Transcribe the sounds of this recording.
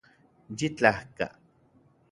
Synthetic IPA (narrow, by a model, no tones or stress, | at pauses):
d͡ʒit͡ɬahka̰